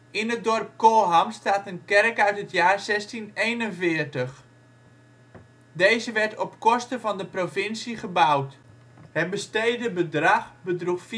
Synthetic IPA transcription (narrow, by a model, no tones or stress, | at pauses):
ɪnət̚dɔrp̚koːɦamstaːtənkɛrkœɥtɦətjaːrsɛstinejnənvɪəɹtəχ | dejzəʋɛɹtɔpkɔstəvɑndəprovɪnsiχəbawt | hət̚bəstejdəbədraχbədruxf